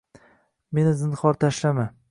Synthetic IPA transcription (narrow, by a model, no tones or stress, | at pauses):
me̞nɪzɪnχɒɾt̪ʰaʃlama